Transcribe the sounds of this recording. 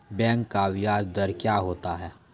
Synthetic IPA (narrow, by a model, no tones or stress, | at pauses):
bɛ̃ːŋkːaʋɪjaːd͡ʒd̪ɐɾkjaɦoːt̪aɦɛː